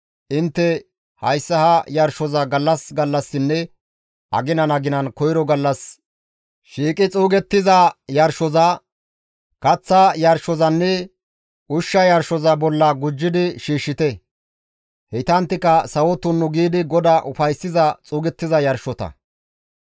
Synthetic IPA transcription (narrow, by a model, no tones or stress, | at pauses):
ʔɪnt̪ːɛ | hɐjsːɐhɐjɐɾʃɔzɐɡɐlːɐsɡɐlːɐsːɪnːɛ | ʔɐ̰ɡɪnɐnɐɡɪnɐnkɔjɪɾɔɡɐlːɐs | ʃiːkʼɪt͡sʼuːɡɛt̪ːɪzɐjɐɾʃɔzɐ | kɐt͡sːɐjɐɾʃɔzɐnːɛ | ʔʊʃːɐjɐɾʃɔzɐbɔlːɐɡʊd͡ʒːɪd̪ɪʃiːʃːɪt̪ɛ | hɛt̪ɐnt̪ːɪkɐsɐwɔt̪ːʊnːʊɡiːd̪ɪɡɔd̪aʔʊfɐjsɪzɐt͡sʼuːɡɛt̪ːɪzɐjɐɾʃɔt̪ɐ̰